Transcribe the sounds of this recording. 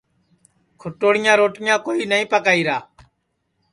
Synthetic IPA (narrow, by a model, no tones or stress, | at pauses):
kʰʊʈoːɽɪjãːɾoːʈɪjãːkoːiːnəĩːpəkaːiːɾaː